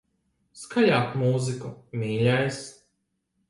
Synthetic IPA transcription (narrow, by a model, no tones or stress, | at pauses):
skajaːkmuːzikumʲiːlʲajs